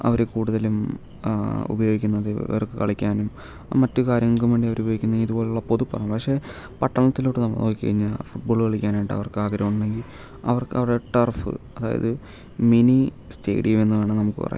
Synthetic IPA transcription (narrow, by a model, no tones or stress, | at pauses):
ɐ̰ʋɐɾekuːɽuðɐlum | ṵbɐjo̞ːɡikʲːunːɐðɨ̰ɐrkːɨkɐɭikʲːaːnum | mɐtːukaːɾjɐŋːɐɭkumʋeːɳɖiɐʋɐɾubjo̞ːɡikʲːunːɐiðubo̞ːleuɭːɐpo̞ðupːɐrɐjumpɐkʂe̞ː | pɐʈːɐɳɐt̪ːilo̞ːʈːɨnɐmːɐ̰noːɡikːɐ̰ɻiɲːɐfuʈ̚bo̞ːɭɨɣɐɭikʲːaːnajʈɖɨɐ̰ʋɐrkɨaːɡɐɾɐmuɳɳɖe̞ŋɡil | ɐ̰ʋɐrkɨɐ̰ʋɽeʈɐrfɨ̰ɐðaːjɐ̰ðɨ | mini | ste̞̰ːɽijɐme̞nːuʋeaːɳɨnɐmukːɨ̰pɐ̰rɐ̰j̰